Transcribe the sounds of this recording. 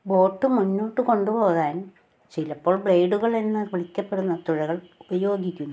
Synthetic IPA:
bo̞ːʈːɨmunːoːʈːɨko̞ɳɖupo̞ːɣaːn | t͡ɕilɐpːo̞ːɭbɭejɖuɣɐɭe̞nːɨʋiɭikʲːɐpːe̞ɽunːɐt̪uɻɐɣɐɭubɐjo̞ːɡikʲːunː

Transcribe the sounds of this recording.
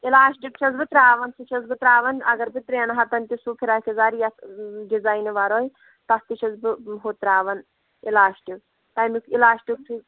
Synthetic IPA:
ilaːʃʈikt͡ʃʰɐzbɨt̪ɾaːʋɐnsɨt͡ʃʰɐzbɨt̪ɾaːʋɐnɐɡɐɾbɨt̪ɾeːnɐɦɐt̪ɐnt̪isupʰiɾaːkʰizaːɾijɐsdizajnɨʋɐɾoːj | t̪ɐst̪iʃʰɐzbɨɦot̪ɾaːʋɐn | ilaːʃʈi | t̪ɐjmikilaːʃʈʲik̚t͡ʃʰi

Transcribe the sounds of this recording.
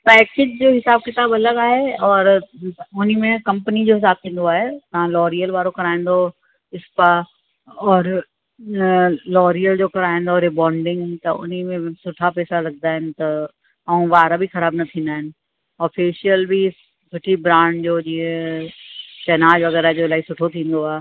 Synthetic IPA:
pɛːkɪd͡ʑd͡ʑoːɦɪsaːb̚kɪt̪aːbɐləɡaːɦeɔːɾʊnimẽkɐ̃mpənid͡ʑoːɦɪsaːb̚t̪ʰĩːnd̪oaːɦet̪ɐɦãlɔːɾijəlʋaːɾokɐɾaːẽn̆d̪o | ɪspə | ɔːɾ | lɔːɾijəld͡ʑoːkɐɾaːẽn̆d̪oɾebɔːɳɖɪ̃ŋɡt̪ɐʔʊ̰nimẽsʊʈʰapɛːsalɐɡ̚d̪aːɦɪnɪ̆t̪ɐ | ɐũʋaːɾabʱixɐɾaːbnɐt̪ʰĩːnd̪aːɦɪnɪ̆ | ɔːfʰiːʃijəlbʱi | sʊʈʰibɾãːɳɖd͡ʑoːd͡ʑiːẽ | t͡ɕɛːnaːd͡ʑʋɐɣɛːɾaed͡ʑoɪlaːisʊʈʰot̪ʰĩːn̆d̪oaːɦe

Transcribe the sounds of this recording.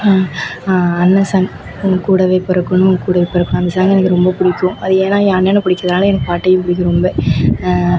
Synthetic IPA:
aːɐnːɐsaːŋ | ʊŋɡkuːɽɐʋeːpɛɾɐkːɯnːɯŋɡkuːɽɐʋeːpɐɾɐkːʊ̃ɐnd̪ɐsaːŋɡɛnɐkːɯɾɔmbɐpʊɽɪkːʊ̃ɐðɯeːnaːaɐnːeːnɐpʊɽɪkːɪɾɐðɐnaːlɛnɐkːɯpaːʈːɐjɪpʊɽɪkːɯɾɔmbe

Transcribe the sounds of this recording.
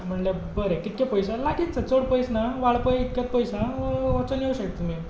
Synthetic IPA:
m̤əɳljabəɾekit̪̚kʲepəjsalaɡit̪̚t͡sat͡soɽpəjsnaʋaɭpəjt̪̚kʲat̪̚pəjsãot͡sənjeuɕəkt̪imi

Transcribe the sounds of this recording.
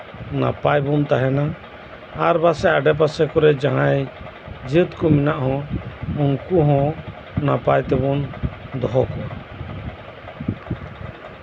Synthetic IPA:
na̰pajbunt̪aɦɛna | aɾbasɛʔaɖɛp̬asɛkɔɾɛd͡ʒaɦãj | d͡ʒɨt̪kɔminaʔhɔ̃uŋkuɦɔ̃ | napajt̪ɛbɔnd̪ɔɦɔkɔa

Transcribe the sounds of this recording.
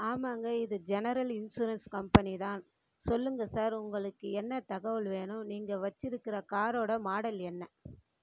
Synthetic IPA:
aːmaːŋɡɐɪðɯd͡ʒɛnɐɾɐlɪnsuɾɐnskɐmpɐniðaːn | sɔlːɯŋɡɐsaːɾʊŋɡɐɭɯkːɯɛnːɐt̪ɐɣɐʋɐɭʋeːnʊ̃niːŋɡɐʋɐt͡ʃːɪɾɯkːɪɾɐkaːɾoːɽɐmaːɽɐlɛnːɐ

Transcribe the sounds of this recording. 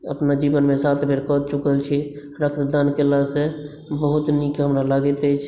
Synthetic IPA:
ə̰pnad͡ʒibənmesat̪ʰbʱeɾkɔt̪t͡ʃukəlt͡ʃʰi | ɾəkʰt̪d̪ankelasẽ | bəɦut̪nikɦəmɾalaɡɛt̪ət͡ʃʰ

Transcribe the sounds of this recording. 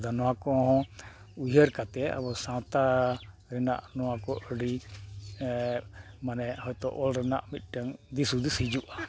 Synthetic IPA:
d̪anɔwãkɔɦɔ̃ | ujɦəɾkat̪ɛa̰bɔsãt̪a | ɾɛna̰ʔnɔwakɔʔəɖi | manɛhɔjt̪ɔʔɔlɾɛna̰ʔmit̪̚ˀʈəŋd̪isud̪ishid͡ʒuʔa

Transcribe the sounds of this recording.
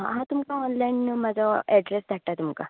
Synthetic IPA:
aɦãt̪umkaɔnlajnmad͡zʱaɛɖɾesd̪ʱaʈ̚ʈat̪umka̰

